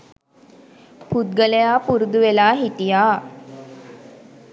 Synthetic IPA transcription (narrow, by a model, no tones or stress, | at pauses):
pʰut̪̚ɡəlejapuɾd̪uʋelaːɦit̪ija